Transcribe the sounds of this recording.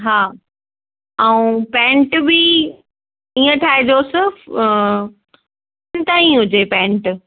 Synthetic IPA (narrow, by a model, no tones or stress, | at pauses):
ɦaː | ɛũpɛ̃ːɳʈbi | iːə̃t̪ʰaːed͡ʑosɪ | nɪt̪aːĩɦʊd͡ʑepɛ̃ːɳʈ